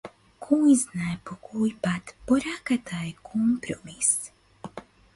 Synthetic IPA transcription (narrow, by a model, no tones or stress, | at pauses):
kʰuiznajpukʰujpat̪pɔɾakat̪ʰajkʰɔmpɾomis